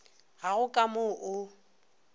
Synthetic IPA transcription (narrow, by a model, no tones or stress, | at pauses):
ɣaɣʊkʼamoʔʊ